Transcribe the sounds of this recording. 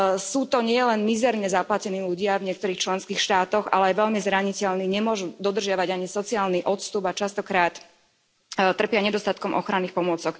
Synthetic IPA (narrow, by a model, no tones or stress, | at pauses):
suːt̪ɔɲɪɛɛlɛnmizɛɾɲɛzaplacɛniːluɟɪavɲɪɛk̚t̪ɔɾiːxt͡ʃlɛnskiːxʃt̪aːt̪ɔɣa̰lɛajʋɛʎmizɾaɲicɛʎniɲɛmʊɔʒud̪ɔd̪rʒɪaʋaɟaɲisɔt͡siaːlniʔɔt̪st̪ubat͡ʃast̪ɔkɾaːt̪ | t̪ːr̩pɪaɲɛd̪ɔst̪at̪̚kɔmʔɔ̰xɾaniːxpɔmʊɔt͡sɔk